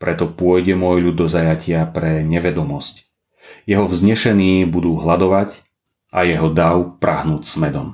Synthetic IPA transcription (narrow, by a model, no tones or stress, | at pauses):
pɾɛt̪ɔpʊɔjɟɛmʊɔjʎud̪ːɔzajacɪapɾɛɲɛʋɛd̪ɔmɔsc | jɛɦɔvzɲɛʃɛniːbud̪uːɦlad̪ɔʋac | ʔajɛɦɔd̪aʊpɾaɦnuːcsmɛd̪ɔm